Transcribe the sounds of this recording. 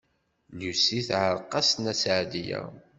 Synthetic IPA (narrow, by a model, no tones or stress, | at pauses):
ljusiθʕəɾˤqːɑsnæsʕd̪ijæ̰